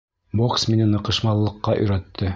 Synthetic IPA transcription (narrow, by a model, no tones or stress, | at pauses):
boksminɘnɤ̆qɤ̆ʃmɑlˠːɤ̆qːɑʔɵ̰̆jɾæt̪ʰːɘ